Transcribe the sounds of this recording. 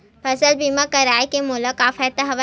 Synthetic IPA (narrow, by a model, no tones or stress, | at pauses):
pʰɐsəlbiːmãkɐɾaːikemuːləkaːfʰɛːt̪əɦɐʋa